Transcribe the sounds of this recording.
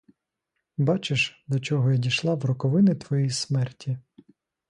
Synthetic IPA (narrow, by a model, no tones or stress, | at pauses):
bɑt͡ʃeʃd̪ɔt͡ʃɔɦɔjadʲiʃlˠɑwrɔkɔʋɪnɪt̪ʋɔjismɛrtʲi